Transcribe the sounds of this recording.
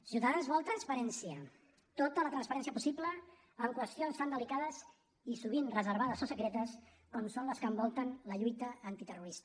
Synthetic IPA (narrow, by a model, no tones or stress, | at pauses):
siwt̪aðanzβɔlˠt̪ɾənspəɾɛnsiə | t̪ot̪ələt̪ɾənspəɾɛnsijəpusiplə | əŋkwəst̪ionst̪and̪əlikaðəz | isuβ̞inrəzəɾβaðəsosəkɾet̪əs | kɔmsonləskəmbɔlˠt̪ənləʎujt̪əːnt̪it̪əruɾist̪ə̥